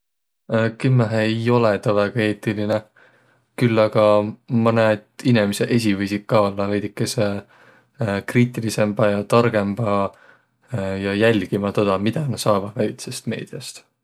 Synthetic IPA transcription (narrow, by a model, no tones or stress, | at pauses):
kymːæɦejo̞let̪ɑvæɡ̥ɑe̞ːt̪ˑiline | kylːɑɡ̥ɑmɤned̪̥inemiseʔe̞s̬ʲivɯjsit̪̚kɑlːɑvejd̪̥ikːˑese | kriːt̪ːˑilise̞mb̥ɑjɑt̪ɑrɡ̥e̞mb̥ɑ | jɑjælʲɡ̥imɑt̪od̪̥ɑmid̪̥ɑnɑ̥sɑːvɑd̪̥væjt̪sest̪me̞ːd̪̥iɑst̪